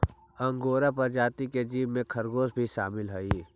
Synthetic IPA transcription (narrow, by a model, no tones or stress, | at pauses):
ɐ̃ŋɡoːɾapəɾd͡ʒaːt̪iked͡ʒiːʋmẽkʰɐɾɡoːsbʱiʃaːmɪlɦoi